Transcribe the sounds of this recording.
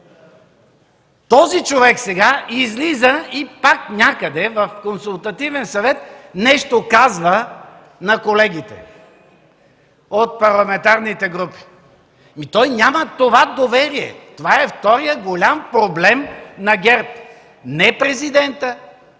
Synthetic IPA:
t̪ɔzit͡ʃovɛksɛɡaizlizəipaknʲakəd̪ɛvɐfkonsulˠt̪ɐt̪ivɛnsɐvɛt̪nɛʃt̪okazvə | nɐkolɛɡ̟it̪ɛ̰ | ot̪̚pɐɾlˠɐmɛnt̪aɾnit̪ɛɡɾupi̥ | mit̪ɔjnʲamət̪ovad̪ovɛɾiɛ̰t̪ovaɛft̪ɔɾijəɡolʲampɾoblɛmnɐɡʲɛɾt̪ | nɛpɾɛzid̪ɛnt̪ə

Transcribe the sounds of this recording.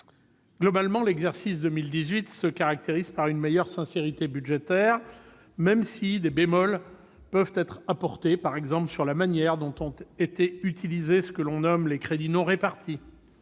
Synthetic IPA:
ɡlɔbalmɑ̃lɛɡzɛʁsis̬d̪əmild̪izɥit̪səkaʁak̚t̪eʁiz̥paʁynmejœʁsɛ̃seʁit̪ebyd̪ʒet̪ɛʁ | mɛmsid̪ebemɔl | pœvt̪ɛt̪χapɔʁt̪epaʁɛɡzɑ̃pləsyʁlamanjɛʁd̪ɔ̃t̪ɔ̃t̪et̪eyt̪ʰilizesə̥kəlɔ̃nɔmlekχed̪inɔ̃ʁepaʁt̪ʰi

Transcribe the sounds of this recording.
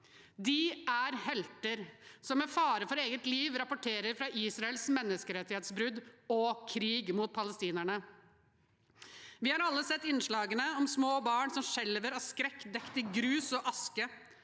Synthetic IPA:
d̪ɪæɾhɛlt̪əɾsɔmæfɑːɾəfɔɾeːɡət̪liːʋɾɑpʊʈʰeːɾəɾfɾɑʔiːsɾɑɛlsmɛnːəskəɾɛt̪ːɪheːt̪sbɾʉd̪ɔkʰɾiːɡmuːt̪̚pʰɑləst̪iːnæɳə | ʋɪhɑɾɑlːəsɛt̪ːɪnʂɭɑːɡənəɔmsmoːbɑːɳsɔmʂɛlʋəɾɔskɾɛkːd̪ɛkt̪ɪɡɾʉːsɔʔɑskə

